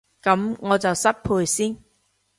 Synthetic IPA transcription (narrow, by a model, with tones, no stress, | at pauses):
kɐ˨˧˥mŋɔː˨˧t͡sɐ˨wsɐ˥t̚pʰuː˧jsiː˥n